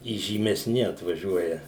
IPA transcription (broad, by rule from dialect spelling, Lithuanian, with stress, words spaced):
iːʒʲiːmʲɛˈsʲnʲɪ ɐtʋɐˈʒʲuɔjɛ